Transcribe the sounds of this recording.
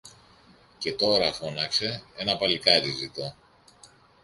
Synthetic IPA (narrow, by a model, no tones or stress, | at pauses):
ce̞t̪o̞ɾɐfo̞nɐkse̞e̞nɐpɐlikɐɾizit̪o